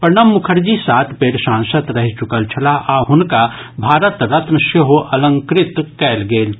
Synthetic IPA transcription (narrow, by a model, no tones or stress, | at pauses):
pəɾnəmːʊkʰəɾd͡ʒisaːt̪ʰpeːʈsãːnsət̪ɾɐɦit͡ʃʊkəlt͡ʃʰɐlaʔaːɦʊnka | bʱaːɾət̪ɾɐt̪nəʃeɦoʔɐlə̃ŋkɾɪt̪kɛːlɡeːl